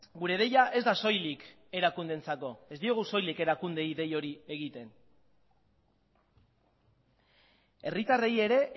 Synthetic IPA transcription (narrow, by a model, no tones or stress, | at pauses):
ɡuɾe̞ðejaʔe̞zd̪aso̞jlik | e̞ɾakund̪e̞nt͡sako̞e̞zd̪io̞ɣ̞uso̞jlike̞ɾakund̪e̞iðe̞jo̞ɾie̞ɣit̪e̞n | e̞rit̪areje̞ɾe̞